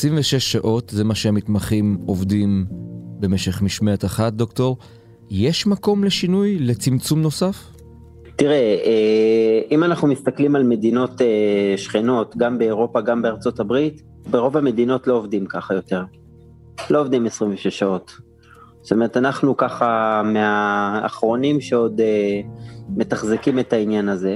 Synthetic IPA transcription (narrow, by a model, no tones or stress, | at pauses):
esʁiɱveʃeʃːaʔo̞tzemaʃeamitmaχimo̞vdimbe̞me̞ʃe̞χmiʃmet̪aχat̚d̪o̞kto̞ʁ | jeʃmako̞mle̞ʃinujle̞t͡simt͡sumno̞saf | tiʁee | imanaχnumist̪aklimalme̞dino̞teʃχeno̞tɡambe̞ːʁo̞paɡambeaʁt͡so̞tabʁit | beʁo̞vame̞dino̞tlo̞ːvdimkaχajo̞te̞ʁ | lo̞ːvd̪imesʁiɱveʃeʃao̞t | sot̪ome̞ʁetanaχnukaχamea̰ːχʁo̞nimʃe̞o̞de | me̞taχzekime̞tainjanaze̞